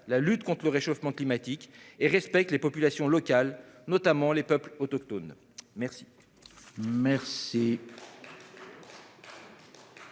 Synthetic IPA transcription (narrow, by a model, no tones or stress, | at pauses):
lalyt̪kɔ̃t̪χləʁeʃofmɑ̃klimat̪ikeʁɛspɛk̚t̪lepɔpylasjɔ̃lɔkalnɔt̪amɑ̃lepœplɔt̪ɔk̚t̪ɔn | mɛʁsi̥ | mɛʁsi